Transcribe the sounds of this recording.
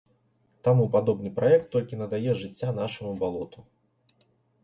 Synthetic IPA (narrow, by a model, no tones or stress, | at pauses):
t̪amupad̪ɔbnɨpɾʔajɛk̚t̪ːɔlʲkʲinɐd̪ajɛʐɨt͡sʲːanaʂɐmubalˠɔt̪u